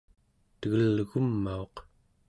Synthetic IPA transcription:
t̪əɣəlɣumːaoq

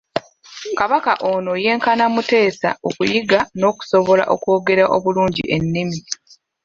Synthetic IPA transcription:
kaβakaʔoːno̞je̞ːŋkanamute̞ːsa̰okujiɡano̞ːku̥so̞βo̞la̰ʔo̞̰ko̞ːɡe̞ɾaʔo̞βuluːɲɟḭʔe̞nːimi

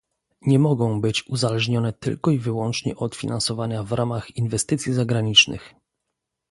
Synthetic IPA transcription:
ɲɛmɔɡɔ̃w̃bɘt͡ɕuzalɛʐɲɔnɛt̪ɘ̰lkɔivɘwɔnt͡ʂɲɛ̰ʔɔt̪fʲinʔansɔvaɲavɾʔamaxinvɛst̪ɘt̪sʲjizaɡɾaɲit͡ʂnɘ̰x

